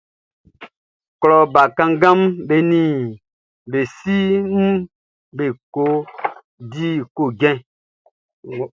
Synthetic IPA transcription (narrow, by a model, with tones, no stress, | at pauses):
klɔ˨ba˨kã˦ŋ˦ɡã˦mbe˨nĩ˦˨ | be˨si˦m̩˦ | be˨ko˦ | di˦ko˨ɡɛ̃˦